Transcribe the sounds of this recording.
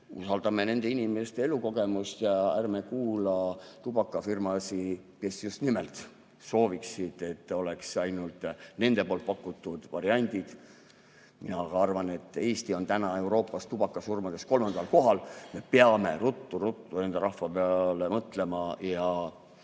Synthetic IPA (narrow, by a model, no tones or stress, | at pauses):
ṵsɑld̪̥ɑme̞ne̞nd̪̥e̞inʲimest̪ee̞luko̞ɡe̞must̪jɑærme̞kuːlɑt̪ubɑkːˑɑfirmɑsike̞sjust̪nimelt̪ˑ | so̞ːviksid̪̥e̞t̪ːˑo̞leksɑjnult̪ˑne̞nd̪̥e̞po̞ːlt̪̚pɑkːˑut̪ːˑud̪̥vɑ̰ɾiɑnʲd̪̥id̪̥ | minɑɡ̥ɑɑrvɑne̞t̪ːˑe̞ːst̪io̞nt̪ænɑe̞wɾo̞ːpːˑɑst̪ub̥ɑkːˑɑsurmɑd̪̥e̞sko̞lmɑnd̪̥ɑlko̞ɦɑlme̞peɑme̞̰ɾut̪ːuɾut̪ːune̞nd̪eɾɑhvɑpeɑle̞mɤt̪le̞mɑjɑ